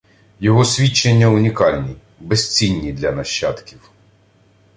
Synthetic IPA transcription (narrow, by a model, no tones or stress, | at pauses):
jɔɦɔsʲʋʲit͡ʃːenʲːɐunʲikɑlʲnʲi | bɛst͡sʲinʲːid̪lʲɐnɐʃːɑt̪kʲiw